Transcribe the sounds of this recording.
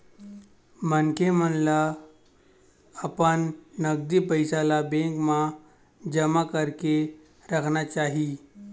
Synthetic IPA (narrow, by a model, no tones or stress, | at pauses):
mənkemənla | əpənːəɡd̪ipəɪsalabẽŋkmã | d͡ʒəmakəɾke | ɾəkʰnat͡ʃaːɦi